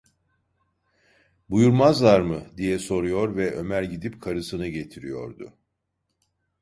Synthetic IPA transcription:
bujuɾmazlˠaɾmɯd̪ijɛso̞ɾujo̞ɾvɛʔø̞̰mæɾɟid̪ipkʰaɾɯsɯnɯɟe̞t̪ʰiɾijo̞̰ɾd̪ʊ̰

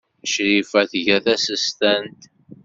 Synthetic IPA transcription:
ʃɾifæθʝæθæsəst̪ænt̪

